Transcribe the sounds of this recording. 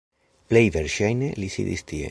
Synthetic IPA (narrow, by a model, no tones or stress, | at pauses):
plejveɾʃajnelisḭðḭst̪iḛ